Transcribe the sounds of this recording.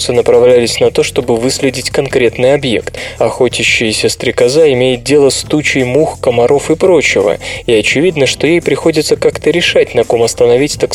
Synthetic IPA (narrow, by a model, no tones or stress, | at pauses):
sɨnəpɾɐvlʲælʲɪsʲnɐt̪o̞ʂt̪o̞bɨvɨsʲlʲɪdʲɪtʲkɐnkɾʲe̞t̪nɨjɐbje̞̰kt̪ɐxo̞t͡ɕʲɪɕːɪjɪsʲəst̪ɾʲɪkɐzaɪmʲejɪt̪̚dʲe̞lˠəst̪ut͡ɕɪjmuxkəmɐɾʔo̞fɨpɾo̞t͡ɕɪvə̰iɐt͡ɕɪvʲid̪nəʂt̪o̞jejpɾʲɪxo̞dʲɪt̪səkakt̪əɾʲɪʂatʲnɐko̞mɐst̪ənɐvʲitʲt̪ak